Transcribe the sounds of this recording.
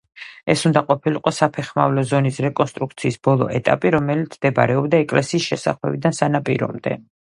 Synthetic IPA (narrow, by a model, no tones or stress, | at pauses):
ɛsund̪aqʼɔpʰiliqʼɔsapʰɛχma̰vlɔzɔnisɾɛkʼɔnst̪ʼɾuk̚t̪sʰiːsbɔlˠɔ̰ɛt̪ʼa̰pʼiɾɔmɛlit̪sʰmd̪ɛba̰ɾɛɔbd̪aɛkʼlɛsiːsʃɛsa̰χlɛ̰bid̪ansanapʼiɾɔ̰md̪ɛ̰